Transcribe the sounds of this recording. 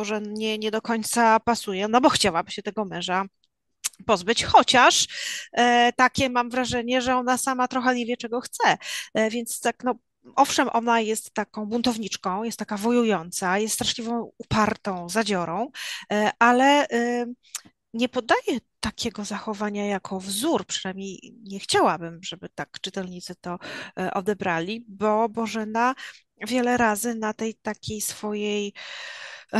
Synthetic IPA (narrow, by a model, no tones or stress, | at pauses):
mɔʐɛɲɛɲɛd̪ɔkɔɲt̪sapasujɛnɔbɔxt͡ɕawabɘɕɛt̪ɛɡɔmɛ̃ʐa | pɔzbɘt͡ɕxɔt͡ɕaʂ | t̪akʲɛmamvɾaʐɛɲɛʐɛɔnasamat̪ɾɔxɛɲevʲjɛt͡ʂɛɡɔxt̪sɛvʲjɛnt̪st̪aknɔ | ʔɔfʂɛmʔɔnajɛst̪ːakɔ̃w̃bunt̪ɔvɲit͡ʂkɔ̃w̃jɛst̪ːakavɔjujɔnt̪sajɛst̪st̪ɾaʂlʲivɔ̃w̃upaɾt̪ɔ̃w̃zad͡ʑɔɾɔ̃w̃ʔalɛ | ɲɛpɔd̪ajɛt̪akʲʰɛɡɔzaxɔvaɲajakʰɔvzuɾpʂɨnajmɲejɲɛxt͡ɕawabɘmʐɛbɘt̪akt͡ʂɨt̪ɛlɲit̪sɘt̪ɔʔɔ̰d̪ɛbɾalʲibɔbɔʐɛna | vʲjɛlɛɾazɘnat̪ɛjt̪akʲejsfɔjej